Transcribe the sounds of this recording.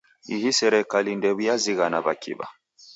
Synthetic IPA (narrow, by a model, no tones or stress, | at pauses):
iɦisɛɾɛkalindɛβujaziɣanaβakḭβa̰